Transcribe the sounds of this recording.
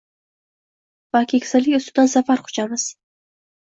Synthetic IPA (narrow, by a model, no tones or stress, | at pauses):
v̥akʲʰekʲsɪlɪkʲʊst̪ʊd̪ansafaɾqʰʊ̥t͡ʃamɪz̥